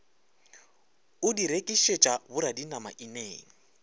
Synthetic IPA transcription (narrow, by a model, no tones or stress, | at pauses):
ʊdiɾekʼiʃet͡ʃʼabʊɾadinamaʔineːŋ̩